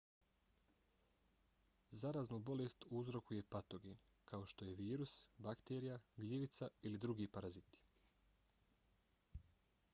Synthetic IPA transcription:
zaɾaːznubo̞lest̪uuzɾo̞kuje̞pat̪o̞ɡeːn | kʰao̞ʃt̪o̞je̞ʋiːɾusbakt̪eːɾijaɡʎiʋit̪sailid̪ɾuɡiːpaɾazit̪i̥

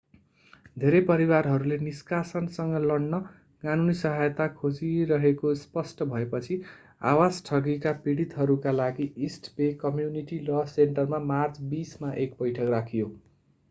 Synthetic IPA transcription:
d̪ʱeɾepʌɾiwarɦʌɾuleniskasʌnsʌŋɡʌlʌɽnʌ | kanunisʌɦajt̪akʰod͡ziɾʌɦekospʌsʈʌbʱʌepʌt͡sʰi | a̰wasʈʰʌɡikapiɽit̪ɦʌɾukalaɡiʔisʈpekʌmjuniʈilʌseɳʈʌrmamart͡sbismaʔek̚bʌjʈʰʌkrakʰijo

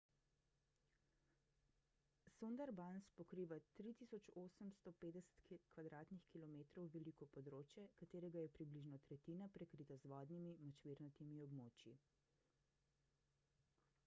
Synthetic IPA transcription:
sund̪ɛɾbanspɔkɾiːʋat̪ɾit̪iːsɔt͡ʃoːsəmst̪ɔpeːd̪ɛsɛ̥t̪kʋad̪ɾaːt̪nixkilɔmeːt̪ɾɔwʋɛlikɔpɔd̪ɾoːt͡ʃjɛkat̪eːɾɛɡajɛpɾibliʒnɔt̪ɾɛt̪iːnapɾɛkɾit̪azʋɔːd̪nimimɔt͡ʃʋiɾnɔt̪imiɔbmoːt͡ʃji

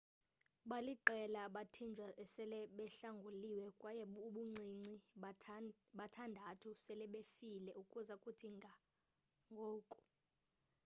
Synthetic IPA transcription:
ɓaliǃɛlaɓatʰind͡ʒʱwaʔɛsɛlɛɓɛɬaŋɡʱuliwɛkʼwajɛuɓuŋ͡ǀʱiŋ͡ǀi | ɓatʰandʱatʰusɛlɛɓefilɛʔukʼuzakʼutʰiŋɡʱa | ŋɡʱoːkʼu̥

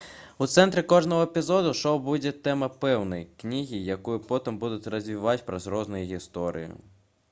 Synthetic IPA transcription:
ut̪sɛnt̪ɾɪkɔʐnɔɦɔepʲizɔd̪ʊʂɔwbud͡zʲɛt̪ɛmɐpɛwnɐjknʲiɦʲijakujʊpɔt̪ɪmbud̪ʊt͡sʲrɐzʲʋʲiʋat͡sʲpɾɐzɾɔznʊjuɣʲist̪ɔɾɨ̰jʊ̰

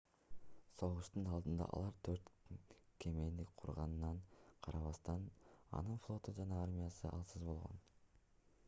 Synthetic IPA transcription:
so̞ʁuʃt̪unɑlˠd̪ɯnd̪ɑ̰ʔɑ̰lˠɑɾt̪ʰøɾt̪kʲʰe̞me̞nd̪ikʲqʰuɾʁɑnnːɑɴqʰɑɾɑβɑst̪ɑnɑ̰nɯnflˠo̞t̪ud͡ʒɑnɑaɾmʲɪjɑsɯʔɑlˠsɯzbo̞lˠʁo̰n

